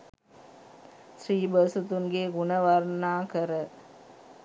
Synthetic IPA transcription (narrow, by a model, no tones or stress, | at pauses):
sɾiːbəsut̪unɡeːɡunəʋɐɾnaːkɐɾə